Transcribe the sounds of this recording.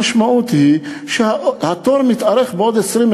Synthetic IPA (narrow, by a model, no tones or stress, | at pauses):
aʃmaʔut̪hi | ʃhat̪ɔɾmit̪aɾɛxbod̪esɾim